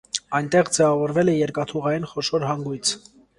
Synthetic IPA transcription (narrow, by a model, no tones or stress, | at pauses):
ɑjnt̪ɛʁd͡zɛvɑvɔɾvɛlɛjɛɾkɑt̪ʰuʁɑjinχɔʃɔɾɦɑŋɡujt͡sʰ